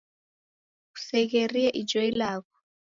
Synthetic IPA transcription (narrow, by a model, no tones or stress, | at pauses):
ku̥sɛɣ̬eriaʔid͡ʒɔilaːkɔ